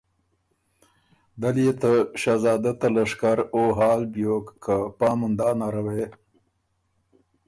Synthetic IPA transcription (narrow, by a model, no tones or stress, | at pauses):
d̪aljet̪aʃazɑːd̪at̪alaʂkaɾoɦɑːlbjokːʰapɑːmʊnd̪ɑːnaɾawe